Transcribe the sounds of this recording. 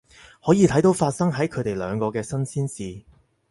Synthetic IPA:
hɔː˨˥jiː˨˧t̪ʰjt̪o˨˥wfaː˧t̚sɐ˥ŋɦɐ˨˥jkʰɵ˨˧t̪e˨jlœ̰ː˨˧ŋkɔː˧kɛː˧sɐ˥nsiː˥nsiː˨˧

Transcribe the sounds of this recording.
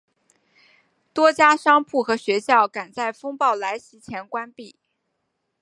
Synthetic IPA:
t̪wɔ˥t͡ɕja˥ʂɑ˥ŋpʰu˥˩xɤ˧˥ɕɥɛ˧˥ɕjɑ˥˩ʊka˨˩nt͡sa˥˩ɪfɤ˥ŋpɑ˥˩ʊla˧˥ɪɕi˧˥t͡ɕʰjɛ˧˥nkwa˥npi˥˩

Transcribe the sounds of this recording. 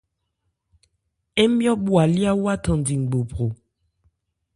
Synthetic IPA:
e˦mjɔ˦ɓwa˨li˦a˦wa˦tɔ̃˨n˨di˨ŋ̩˨ɡ͡bo˨pʁo˨

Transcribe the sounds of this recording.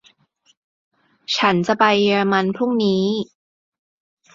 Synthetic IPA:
t͡ɕʰa˦˥nt͡ɕa˨˩pa˧jːeː˧ɾa˧ma˧npʰɾu˥˩ŋniː˦˥

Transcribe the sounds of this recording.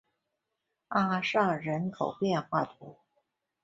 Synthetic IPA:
a˥˩ʂɑ˥˩ŋɻə˧˥nkʰo˨˩ʊpjɛ˥˧nxwa˥˩t̪ʰu˧˥

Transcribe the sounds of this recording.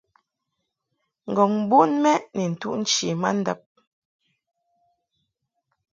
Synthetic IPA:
ŋ̩˨ɡɔ˨ŋm˦bu˦nmɛ˦nɛ˨n̩˨tu˦ʔn̩˦t͡ʃi˨ma˦n̩˦də̰˨p̚

